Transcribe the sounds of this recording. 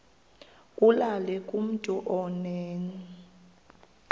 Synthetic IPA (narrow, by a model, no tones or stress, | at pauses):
kʼulalɛkʼum̩tʼuʔɔnɛːni